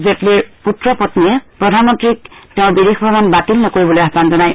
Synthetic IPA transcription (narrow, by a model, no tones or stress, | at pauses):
zetlɛputɹɔpɔtniɛpɹɔdʱanmɔntɹik̚teʊ̃bidexbʱɔɹɔmanbatilnɔkoɹibɔlojadanzɔnaj